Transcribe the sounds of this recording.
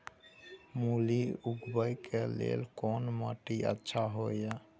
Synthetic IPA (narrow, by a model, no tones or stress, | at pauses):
muliuɡbəjkelḛlkɔnmə̰ʈiə̰tːʃʰaɦojja